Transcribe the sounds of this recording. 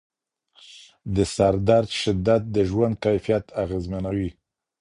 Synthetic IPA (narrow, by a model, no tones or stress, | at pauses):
d̪əsaɾd̪aɾd̪ʃɪd̪ːat̪̚d̪əʒwand̪̚kajfijat̪aɣezmanawi